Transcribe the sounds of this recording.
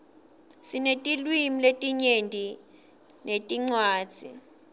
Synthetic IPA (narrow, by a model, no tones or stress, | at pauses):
sinetʼilwimiletʼiɲendʱi | nʔetʼiŋ͡ǀwaːd̥d͡z̥ʱḭ